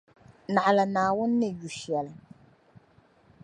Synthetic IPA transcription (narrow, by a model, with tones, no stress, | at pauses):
na˨ʔa˨la˨naː˨wʊ˦nː˦ɪ˦ju˨ʃɛ˨lɨ˨